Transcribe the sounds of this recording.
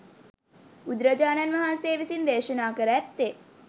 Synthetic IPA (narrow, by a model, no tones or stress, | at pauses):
ud̪ɾɐd͡ʒaːnanʋɐɦanseːʋisind̪eːʃənaːkəɾəɛt̪ːe